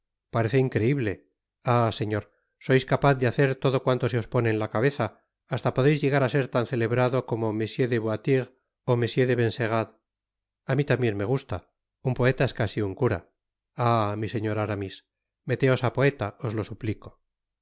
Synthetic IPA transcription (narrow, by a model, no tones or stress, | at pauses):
paɾe̞θeiŋkɾe̞iβle̞ | ase̞ɲo̞ɾ | so̞jskapaθd̪eaθe̞ɾt̪o̞ðo̞kwant̪o̞seo̞spo̞ne̞ːlakaβe̞θaː | st̪apoðe̞jzʝe̞ɣaɾase̞ɾt̪anθe̞le̞βɾaðo̞ko̞momesje̞ðeβwat̪iʁ | o̞me̞sje̞ðeβe̞nse̞ɣ̞að | amit̪ambje̞nme̞ɣ̞ust̪a | umpo̞e̞t̪ae̞skasiuŋkuɾa̰ | amise̞ɲo̞ɾaɾamis | me̞t̪e̞o̞sapo̞e̞t̪ao̞zlo̞supliko